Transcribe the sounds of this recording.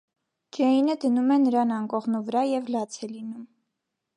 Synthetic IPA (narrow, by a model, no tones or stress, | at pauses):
d͡ʒɛinəd̪ənumɛnəɾɑnɑŋkɔʁnuvəɾɑjɛvlɑt͡sʰɛlinum